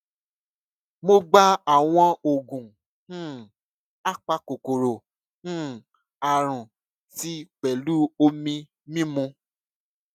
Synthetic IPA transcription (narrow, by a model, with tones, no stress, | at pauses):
mo˦ɡ͡ba˦a˨w̃ɔ̃˧o˨ɡũ˨˦ | a˦k͡pa˧ko˨ko˨ɾo˨ | ũ˦ | a˨ɾ̃ũ˨ | ti˦k͡pɛ˨lu˦o˧mĩ˧ | mĩ˦mũ˧